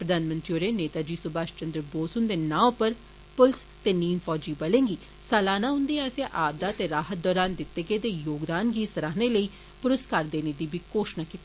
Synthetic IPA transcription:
pɾəd̪aːnmə̃nt̪ɾioːɾeːneːt̪aːd͡ʒiːsʊbaːʃt͡ʃənd̪ɾəboːsʊnd̪eːnãːpəɾ | pʊlst̪eːniːnpʰɔːd͡ʒiːbəlẽːŋɡiː | sɛːlaːnaːɦʊ̃nd̪eːaːseʔaːb̚d̪aːt̪eːɾaːɦət̪̚d̪ɔːɾaːnd̪ɪt̪ːeːkeːd̪eːjoːɡd̪aːnɡiːsəɾaːɦneːləiː | pʊɾʊskəɾd̪eːneːd̪iːbʱiːkoːʃnaːkit̪ːi

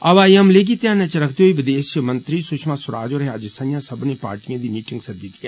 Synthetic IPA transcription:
ɐʋaːjəmleːɡit̪jãːnɛ̃t͡ʃɐɾɐkʰd̪oːiʋɪd̪eːsjəmɐ̃nt̪ɾiːsʊkʃʰmãsʊɾa̰ːd͡ʒoːɾɦaːd͡ʒsɐ̃jãːsɐbnẽːpa̰ːɾʈijãːd̪iːmiːʈɪŋɡsɐd̪ɪt̪ia

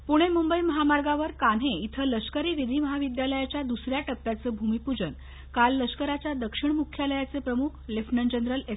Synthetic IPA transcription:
puɽ̃emumbəiməɦamaɾɡaʋəɾkanɦeit̪ʰələskəɾiːʋid̪ʱiːməɦaʋid̪jaləjat͡ɕjad̪usɾjaʈəp̚pjat͡səːbʱumipud͡ʑən | kalːəskəɾat͡ɕjad̪əkʂiɳmukʰːjaləjat͡sepɾəmukʰlefnənd͡ʑənd̪ɾəle

